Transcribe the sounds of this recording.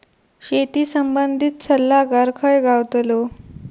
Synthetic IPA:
ɕet̪iːsəmbənd̪ʱiːt̪səlːaɡaɾkʰəjɡawt̪lo

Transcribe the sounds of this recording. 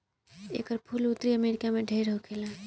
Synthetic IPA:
ḛkəɾpʰulut̪ɾiəmeɾikameɖʱəɪɾɦokʰela

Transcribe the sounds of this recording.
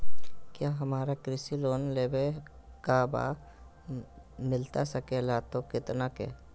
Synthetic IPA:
kjaːɦɐmaːɾakɾɪsiloːnleːbe | kaba̰ː | mɪlt̪asəkelaːt̪okɪt̪nakḛː

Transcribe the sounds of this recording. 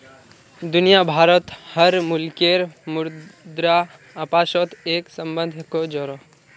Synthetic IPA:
d̪unijabʱaːɾət̪həɾmulkeɾmʊɾd̪ɾaː | paːʃɔt̪eksə̃mbə̃nd̪ʱkod͡ʒɔɾo

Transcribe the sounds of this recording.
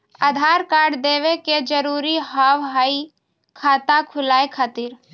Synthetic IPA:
aːd̪ʱaːɾkaːɾɖd̪eːʋeked͡ʒəɾuːɾiɦaːwɦaːi | kʰaːt̪akʰʊlaːekʰaːt̪iːɾ

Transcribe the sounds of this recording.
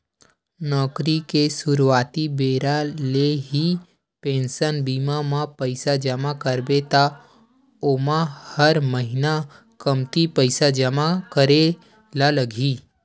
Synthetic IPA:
nɔːkɾikesuɾuat̪ibeɾaleɦi | pẽnsənbimamãpəjsad͡ʒəmakəɾbet̪a | omãhəɾməɦina | kəmt̪ipəjsad͡ʒəmakəɾe | laləɡʱiː

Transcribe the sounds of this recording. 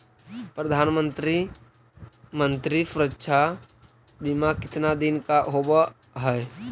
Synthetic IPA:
pɾəd̪ʱaːnmə̃nt̪ɾi | mə̃nt̪ɾisʊɾətːʃʰa | bɪmakɪt̪nad̪ɪnkaɦoba | ɦɛj

